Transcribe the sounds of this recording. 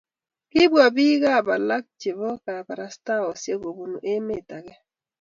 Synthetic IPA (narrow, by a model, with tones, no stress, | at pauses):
kɪ˦bwa˨bi˦ɣa˦˨ba˨la˦k̚t͡ʃe˨βɔ˦ka˨ba˨ɾa˨sta˦ɔ˨sje˦ɡo˨bu˨nu˨ʔe˦me˦˨ta˨ɡɛ˦